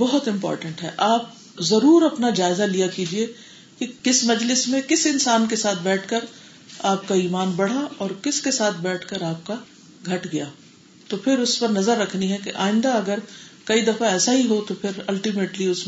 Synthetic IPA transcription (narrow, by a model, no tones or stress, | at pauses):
bɔɦʊt̪ɪ̃mpɔ̰ːɾʈə̃ɳʈɦɛʔaːp̚ | zɐɾuːɾɐpnad͡ʒaːɪzalijakiːd͡ʒie | kikɪsmɐd͡ʒlɪsmẽkɪsɪ̃nsaːnkesaːt̪ʰbɛːʈʰkəɾ | aːp̚kaiːmaːnbɐɽ̤aɔːɾkɪskesaːt̪̚ʰbɛːʈʰkəɾaːp̚ka | ɡʱɐʈɡɐjaː | t̪opʰɪɾʊspɐɾnɐzəɾːɐkʰniɦɛkeʔa̰ːɪ̃nd̪aɐɡəɾkɐid̪ɐfaɛːsaɦiɦot̪opʰɪɾɐlʈimeːʈliʊsm